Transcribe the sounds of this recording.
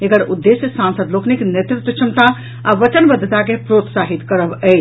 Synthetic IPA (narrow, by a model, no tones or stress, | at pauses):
ekəɽud̪ːesjəsansəd̪lokniknet̪ɾɪt̪ːət͡ʃʰəmt̪a | aʋət͡ʃənbəd̪ʱːət̪akepɾot̪saɦit̪kəɾəbət͡ʃ